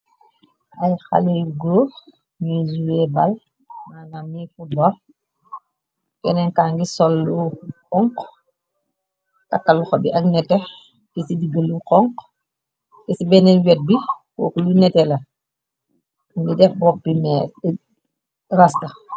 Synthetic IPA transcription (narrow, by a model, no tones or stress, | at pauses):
ɐjxa̰liɡo | mizuɛbal | maːnamifut̚bɔl | kɛnɛnkaŋɡisɔlːukɔŋk | kɐkːalːuxɔbiʔɐknɛtːɛ | tisidiɡəlːuqɔŋk | tɛsibɛnɛnwɛt̚biwɔ̰ːkulunɛtɛlɐ | ŋɡidɛfbɔk̚bimɛ | rastɐ